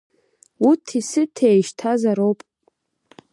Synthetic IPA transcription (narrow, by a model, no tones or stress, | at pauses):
utʰisɨtʰeʃtʰazaɾowpʼ